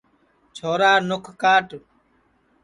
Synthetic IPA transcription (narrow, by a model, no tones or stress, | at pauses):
t͡ʃʰoːɾaːnʊkʰkaːʈ